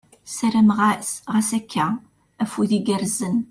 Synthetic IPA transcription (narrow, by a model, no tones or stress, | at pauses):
sæɾæmʁasʁæsækʰːæ | æfuðiɡəɾzən